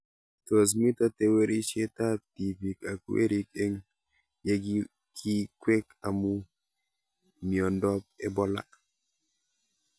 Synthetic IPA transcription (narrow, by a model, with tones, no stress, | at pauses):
to˨s̬mi˦ta˦te˨we˦ɾi˦ʃe˦ta˦ti˨pi˨ka˨kḛ˦ɾi˦ke˦ŋ | je˦ɡ | kʰi˦kwe˦ka˨mu˦ | mi˨ɔ˨ndɔ˦p̚ɛ̰˦bɔ˦la̰˦